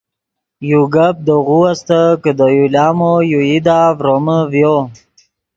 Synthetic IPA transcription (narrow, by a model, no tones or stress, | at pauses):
juɡap̚d̪əɣuast̪əkəd̪əjulɑːmojuid̪aːvɾoməvjo